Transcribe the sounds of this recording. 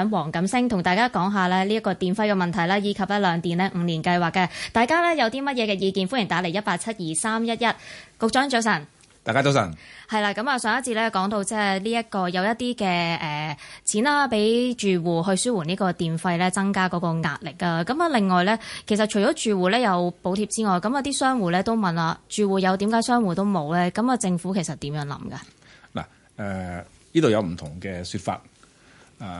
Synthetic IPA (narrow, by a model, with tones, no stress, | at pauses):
ŋwɔː˨˩ŋkɐ˨˥msɪ˥ŋt̪ʰʊ˨˩ŋt̪aː˨jkaː˥kɔː˨˥ŋɦaː˨˧lɛː˥liː˥jɐ˥kːɔː˧t̪iː˨nfɐ˧jkɛː˧mɐ˨nt̪ʰɐ˨˩jlaː˥jiː˨˧kʰɐ˨p̚lɛ˥lœː˨˧ŋt̪iː˨nlɛː˥ŋ̩˨˧niː˨˩nkɐ˧jwaː˨kːɐ˧t̪aː˨jkaː˥lɛ˥jɐ˨˧wt̪iː˥mɐ˥t̚jɛː˨˧kɛː˧jiː˨˧kiː˨˧nfuː˥njɪ˨˩ŋt̪aː˨˥le˨˩jɐ˥t̚paː˧k̚t͡sʰɐ˥t̚jiː˨saː˥mjɐ˥t̚jɐ˥t̚kʊ˨˧k̚t͡ʃœː˨˥ŋt͡ʃo˨˧˥sɐ˨˩n | t̪aː˨jkaː˥t͡so˨˧wsɐ̰˨˩nhɐ˨jlaː˧kɐ˨˥maː˨˧sœː˨˥ŋjɐ˥tt͡siː˧t̚lɛː˥kɔː˨˥ŋt̪o˧wt͡sɛː˥liː˥jɐ˥t̚kɔː˧jɐ˨˧wjɐ˥t̚t̪iː˥kɛː˧ɛː˨˩t͡sʰiː˨˥naː˧pe˨˥jt͡ʃyː˨˩wuː˨˩ɦɵ˧ɥsyː˥wuː˨˩niː˥kɔː˧t̪iː˨nfɐ˧jlɛː˥t͡sɐ˥ŋkaː˥kɔː˨˧˥kɔː˧ŋaː˧t̚lɪ˨k̚ːaː˧kɐ˨˥mɐ˨˧lɪ˨ŋːɔː˨˩jlɛː˥kʰe˨˩js̬ɐ˨t̚t͡ʃʰɵ˨˩ɔː˨˥t͡ʃyː˨wuː˨˩lɛː˥jɐ˨˧wpo˨˥wt̪ʰiː˧p̚t͡siː˥ŋɔː˨jkɐ˨˥mɐ˨˧wt̪iː˥sœː˥ŋwuː˨˩lɛː˥t̪o˥wmɐ˨nlaː˧t͡ʃyː˨wuː˨˩jɐ˨˧wt̪iː˨˥mkaː˨˥jsœː˥ŋwuː˨˩t̪o˥wmo˨˧wlɛː˥kɐ˨˥mɐː˨˧t͡sɪ˧ŋfuː˨˥kʰe˨˩jsɐ˨t̪iː˨˥mjœː˨˥ŋlɐ̰˨˧˥mɡɐ̰˧ | la̰ː˨˩ | ɛ˨˩ | niː˥t̪o˨wjɐ˨˧wm̩˨˩t̪ʰʊ˨˩ŋkɛ˧syː˧t̚fa̰ː˧t̚ | aː˨˩